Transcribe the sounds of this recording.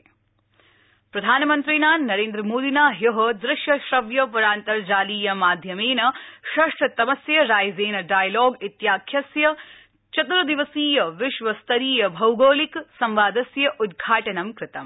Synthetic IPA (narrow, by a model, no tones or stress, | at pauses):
pɾɐd̪ʱaːnɐmɐnt̪ɾiːnaːnːɐɾeːnd̪ɾɐmoːd̪inaːjɐɦɐd̪ɾɪʃjɐʃɾɐʋjɐpɐɾaːnt̪ɐɾd͡ʒaːliːjɐmaːd̪ʱjɐmeːnɐʃɐʂʈʰɐt̪ɐmɐsjɐɾaːjzeːnɐɖaːjlɔːɡit̪jaːkʰjɐsjɐ | t͡ʃɐt̪ɾɐd̪iʋɐsiːjɐʋɪʃʋɐst̪ɐɾiːjɐbʱɐwɡoːliksɐmʋaːd̪ɐsjɐʔud̪̚ɡʱaːʈɐnɐmkɾɪt̪ɐm